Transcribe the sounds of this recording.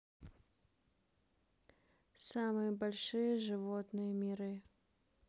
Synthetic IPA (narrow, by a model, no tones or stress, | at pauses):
samɨjəbɐlʲʂɨjəʐɨvot̪nɨjəmʲɪɾɨ